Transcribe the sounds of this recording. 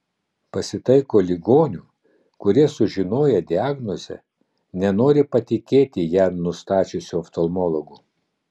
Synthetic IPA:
pɐsʲɪt̪ɐɪkoːlʲɪɡoːnʲuː | kʊɾʲiɛsʊʒʲɪnoːjɛd̪ʲɪɑːɡnɔzʲɛ̰ | nʲɛnoːɾʲɪpɐt̪ʲɪkʲeːt̪ʲɪjænnʊst̪ɑːt͡ʃʲosʲʊɔft̪olˠmɔlˠɔɡu

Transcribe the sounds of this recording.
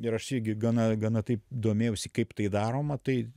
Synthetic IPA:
ɪɾɐʃɪɾʲɡʲɪɡɐnɐɡɐnɐt̪ɐɪpd̪oːmʲeːjɛʊsʲɪkɐɪpt̪ɐɪd̪ɑːɾoːmɐt̪ɐɪ

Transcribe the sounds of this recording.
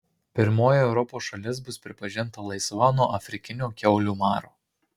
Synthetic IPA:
pʲɪɾmoːjɛɛʊɾɔpoːsʃɐlʲɪs̬bʊspʲɾʲɪpɐʒʲɪnt̪ɐlˠɐɪsʋɐnuɔʔɐfʲɾʲɪkʲɪnʲuːkʲɛʊlʲuːmɑːɾoː

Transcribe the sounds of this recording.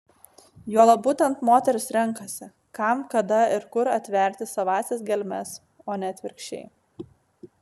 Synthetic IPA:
juɔlˠɐbuːt̪ʲɛnt̪moːt̪ʲɛɾʲɪsɾʲɛŋˑkɐsʲɪ | kɐmkɐd̪ɐɪɾkʊɾɐt̪ʲʋʲɛˑɾʲt̪ʲɪsɐʋɑːsʲeːsɡʲɛlʲmʲɛs | oːnʲɛt̪ʲʋʲɪɾʲkʃʲt͡ʃʲɛ̰ɪ

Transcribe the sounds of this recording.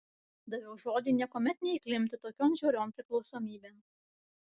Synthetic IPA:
d̪ɐʋʲɛʊʒoːd̪ʲiːnʲɛkɔmʲɛt̪nʲɛiːklʲɪmʲt̪ʲɪt̪oːkʲoːnʒʲoːɾʲoːnpʲɾʲɪklˠɒʊsɔːmʲiːbʲen

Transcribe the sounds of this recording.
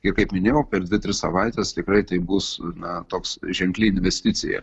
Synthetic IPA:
ɪkɐɪpmʲɪnʲeːjɛʊpʲɛɾd̪ʲʋʲɪt̪ʲɾʲɪssɐʋɐɪt̪ʲɛst̪ʲɪkɾɐɪt̪ɐɪbʊsnɐt̪oːksʒʲɛŋklʲiːɪnʲʋʲɛsʲt̪ʲɪt̪t͡s̪ʲɪjɛ̰

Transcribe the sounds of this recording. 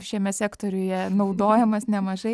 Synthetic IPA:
ʃʲɛmʲɛsʲæːkt̪oɾʲʊjɛnɒʊd̪oːjɛmɐsnʲɛmɐʒɐɪ

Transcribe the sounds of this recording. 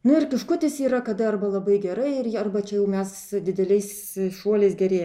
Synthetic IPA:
nʊɪrkʲɪʃkʊt̪ʲɪsiːɾɐkɐd̪ɐɐrbɐlˠɐbɐɪɡʲɛɾɐɪɪrjɐrbɐt͡ʃʲɛjɛʊmʲɛs | d̪ʲɪd̪ʲɛlʲɛɪs | ʃuɔlʲɛɪsɡʲɛɾʲeːj

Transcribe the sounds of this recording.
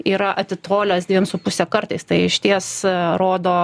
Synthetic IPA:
iːɾɐʔɐt̪ʲɪt̪oːlʲɛsd̪ʲʋʲiɛmsʊpʊsʲɛkɐrt̪ɐɪst̪ɐɪɪʃʲt̪ʲiɛsɾoːd̪oː

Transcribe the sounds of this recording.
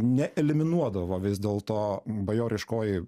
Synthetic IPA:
nʲɛʔɛlʲɪmʲɪnuɔd̪ɐʋoːʋʲɪsd̪ʲeːlˠt̪oːbɐjoːɾʲɪʃkoːjɪ

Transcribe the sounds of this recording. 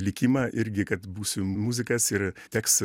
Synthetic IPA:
lʲɪkʲimɑːʔɪɾʲɡʲɪkɐt̪buːsʲʊmʊzʲɪkɐsɪɾt̪ʲɛks

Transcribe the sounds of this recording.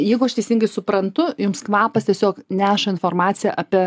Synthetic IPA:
jɛɪɡʊɐʃt̪ʲɛɪsʲiːŋɡɐɪsʊpɾɐnt̪ʊjʊmskʋɑːpɐst̪ʲiɛsʲoːknʲæːʃɐɪnfoːrmɑːt̪t͡s̪ʲɪjɛʔɐpʲiɛ

